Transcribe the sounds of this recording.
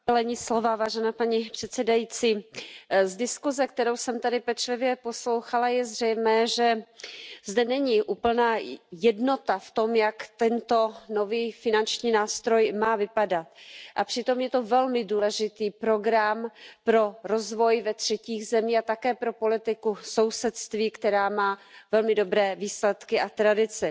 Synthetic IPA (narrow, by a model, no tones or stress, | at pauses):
ɛlɛɲislo̞vavaːʒɛnaːpaɲipr̥ɛt̪sɛdajit͡siː | zdɪskuzɛk̚t̪ɛɾo̞wsɛmt̪adɪpɛt͡ʃlɪvjɛpo̞slo̞wxalajɛzr̝ɛjmɛːʒɛ | zdɛnɛɲɪʔuːpl̩naːjɛdno̞t̪aft̪o̞mjakt̪ɛnt̪o̞no̞viːfɪnant͡ʃɲiːnaːst̪ɾo̞jmaːvɪpadat̪ʔapr̥ɪt̪o̞mjɛt̪o̞vɛlmɪduːlɛʒɪt̪iːpɾo̞ɡɾampɾo̞ɾo̞zvo̞jvɛt̪r̝̥ɛciːɣzɛmiːxat̪akɛːpɾopo̞lɪt̪ɪkuso̞wsɛt̪st̪viːkt̪ɛɾaːmaːvɛlmɪdo̞bɾɛːviːslɛt̪kɪʔat̪ɾadɪt͡sɪ